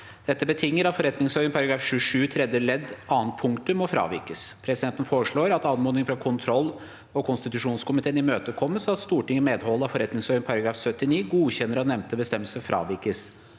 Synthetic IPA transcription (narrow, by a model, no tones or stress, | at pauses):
d̪̥ɛt̪ːəbət̪ʰɪŋːəɾɑt̪fɔɾɛt̪nɪŋsoːɾənpʰɑɾɑɡɾɑːfɕʉʂʉːt̪ʰɾɛd̪jəlɛd̪ɑːənt̪̚pʰʊŋkt̪ʉmːɔfɾɑ̰ːʋɪ̰ɾkəspʰɾɛsɪd̪ɛnt̪ən̩foːɾəʂɭoːɾɑt̪ɑnmoːnɪŋfɾɑkʰʊnt̪ʰɾɔlː | ɔkʰʊnst̪ɪt̪ʉʂuːnskʊmɪt̪ʰeːnɪmøːt̪əkʰɔmːəsɑt̪st̪uːʈɪŋːəmeːd̪hɔlːəɑfɔɾɛt̪nɪŋsɔːɾənpʰɑɾɑɡɾɑːfsœt̪ːɪniːɡuːçɛnːəɾɑt̪nɛmt̪əbəst̪ɛmːəlsəfɾɑ̰ːʋɪɾkəs